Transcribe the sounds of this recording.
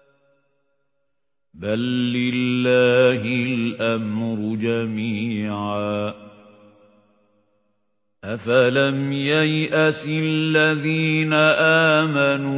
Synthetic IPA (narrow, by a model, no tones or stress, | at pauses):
balːɪlːaːɦɪlʔamɾʊd͡ʒamiːʕaː | ʔafalamjajʔasɪlːaðiːnaʔaːmanuː